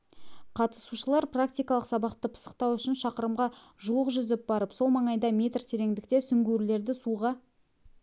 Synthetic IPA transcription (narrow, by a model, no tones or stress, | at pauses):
qʰɑt̪ə̥suʃəlˠɑɾprakt̪ijkɑlˠəqsɑbɑqt̪əpʰə̥sə̥qt̪ɑwʏʃɪnʃɑqəɾəmʁɑ | ʒuwəqʒʏzɪp̚bɑɾəpso̞lˠmɑɴɑjd̪ɑmʲe̞t̪rt̪ʰe̞ɾe̞ŋd̪ɪk̚t̪e̞sʏŋɡʲeɾle̞ɾd̪ɪsuʁɑ